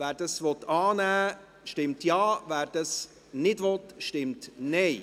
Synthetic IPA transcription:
væːɾd̥əsvɔt̪ːɑːnæː | ʃtɪmtjɑːvæːɾd̥əs | nɪdʋɔtʃtɪmtnɛɪ

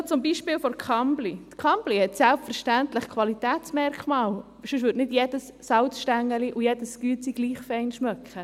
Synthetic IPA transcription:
t͡sʊmbiːʃpɪːlfɔɾkʰɑmblit̪kʰɑmb̥lihɛtsɛlpfəɾʃtænt̪ləχkʰʋɑlit̪ɛːtt͡smɛɾkχmɑːl | ʃʉʃ̬ʋʏɾtnɪdjɛdəsːɑwt͡sʃtæŋːəliʔujɛd̥əskyət͡siɡ̥liːχfɛɪnʃmœkχə

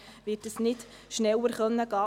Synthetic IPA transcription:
ʋɪːtəsnɪt | ʃnɛwːəɾχœnːəɡ̥ɑː

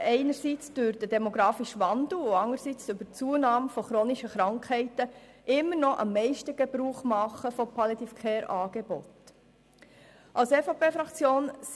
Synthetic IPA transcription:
ɛɪnəɾsit͡sd̥øɾdədɛmoɡɾɑːfiʃʋɑnd̥̪l̩ʊɑŋəɾsit͡sʏbəɾt͡suːənɑːmfɔχɾoːniʃəχɾɑŋkʰhɛɪtə | ʔɪmːənɔʔɑ̰mːɛɪʃtəɡ̥ebɾuːχmɑχəfɔpʰɑlɛd̪ifkʰɛːɾʔɑːɡ̥ebɔ̰t | ʔɑlsɛfɑpʰeːfɾɑkt͡sjoːn

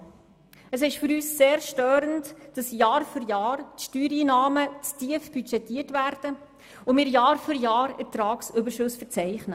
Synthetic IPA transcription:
əsɪʃfyɾyːsːeːɾʃtøːɾəntd̥ɑsjɑːɾfyɾjɑːrtʃtyːɾiːnɑːmət͡stiəfb̥yt͡ʃɛtiːətvæːɾd̥ə | ʊmɪɾjɑːɾfyɾjɑːɾɛtɾɑːksʏbəʃʊsfəɾt͡sɛɪχnə

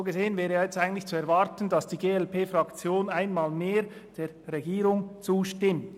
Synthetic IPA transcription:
oɡəzeːənvɛːʁəjɑːjɛt͡staɪɡntlɪçt͡suɛɐvaɾtən̩d̥ɑsd̥iːɡeːɛlpeːfʁɑkt͡sjoːnaɪnmaːlmeːɾd̥eːʁeɡiːʁʊŋt͡suːʃtɪmt

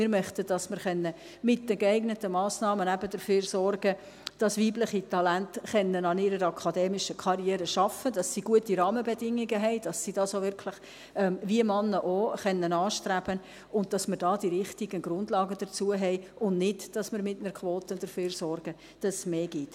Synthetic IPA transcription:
mɪɾmœχtəd̥ɑsməɾχɛnːə | mɪt̚d̥əɡeæɪɡnətəmɑːsnɑːmənæbəd̥əɾføːrsɔrɡə | d̥ɑsʋiːblɪχitʰɑlæntχɛnːənɑniɾəɾɑkʰɑdɛːmɪʃəkʰɑɾjɛːɾəʃɑfəd̥ɑsːiɡuətiɾɑːməbɛdɪŋːɪɡəɦɛɪd̥ɑsːidɑsovɪɾkʰlɪχ | ɛmviəmɑnːəʔoχɛnːənɑːʃtɾæb̥ən | ʊnd̚d̥ɑsmɪɾdɑːd̥iɾɪχtiɡənɡ̥ɾʊndlɑːɡəd̥əɾt͡suəɦɛɪʊnnɪdd̥ɑsmɪɾmɪtnəɾkχʋoːtədəɾføːɾsɔrɡ̥ə | d̥ɑssmeːɡ̥ɪt

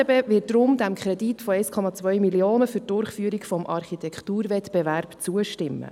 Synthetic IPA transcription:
beʋɪtd̥ɾʊmd̪æmkʰχɾɛditfɔɛjskʰɔmɑt͡svœʏmilioːnəfytdʊrχfyːəɾikfɔmʔɑrχit̪ʰɛkχt̪uːɾvɛt̪b̥evæɾpt͡suəʃtɪmːə̰

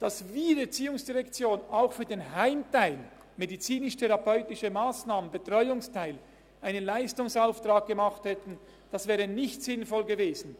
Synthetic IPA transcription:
d̥asviːdɛːɐt͡siːʊŋsd̥iʁɛkt͡sjoːnaʊxfyːɐdeːnɦaɪmtaɪl | medit͡siːnɪʃtʰɛʁɑpɔʏtɪʃəmaːsnaːmənbətʁ̥ɔʏʊŋstʰaɪl | ʔaɪnənlaɪstʊŋsaʊftʁ̥aːk̚ɡ̥əmaχthɛtn̩ | d̥asv̥ɛːʁənɪçtz̥ɪnfɔlɡəveːzn̩

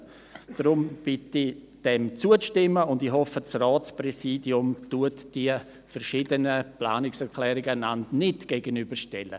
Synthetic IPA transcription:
d̥ɾʊmb̥ɪti | d̥ɛmt͡suəstɪmːəʊndiɦɔfəsraːt͡sprɛsiːdiʊmtuɐtd̥iə | fɛrʃiːdənəplaːnɪksɛɾkʰlɛːɾɪɡəanantnɪtɡ̥eɡənybəʃtɛlə̰

